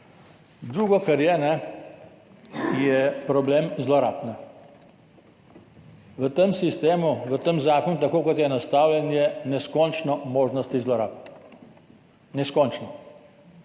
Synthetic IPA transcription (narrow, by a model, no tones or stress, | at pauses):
d̪ɾuːɡɔkaɾjɛnɛ | jɛpɾɔblemzlɔɾaːpnɛ | ʋət̪emsist̪eːmuʋət̪emzaːkɔnut̪̬akoːkɔt̪jɛnast̪aːwljɛnjɛnɛskɔnt͡ʃnɔmoːʒnɔst̪izlɔɾa̰ːp̚n | nɛskɔnt͡ʃnɔ